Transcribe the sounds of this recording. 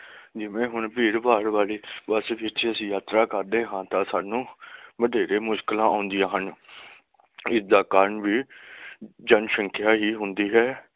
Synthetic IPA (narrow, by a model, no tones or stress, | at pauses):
d͡ʒɪʋẽːɦʊɳbiːɾbaːɾʋaːleːbəsʋɪt͡ʃəsĩːjaːt̪ɾaːkəɾd̪eːɦãːt̪ãːsaːnũːʋəɖ̪eːɾeːmʊʃkəlãːʔãːʊnd̪ɪjãːɦən | ɪsd̪aːkaːɾəɳʋiː | d͡ʒənʃəŋkʰjaːɦiːɦʊnd̪iːɦɛː